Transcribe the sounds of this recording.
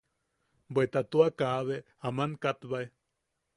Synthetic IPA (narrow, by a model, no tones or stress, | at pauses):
bwet̪at̪uakaβe | amankat̪βae